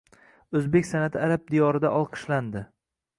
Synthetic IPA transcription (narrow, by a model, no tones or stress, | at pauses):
ɵzbe̞kʲsanat̪ʰɪaɾab̚d̪ijɒɾɪd̪aʔɒlˠqʰɨ̥ʃland̪ɪ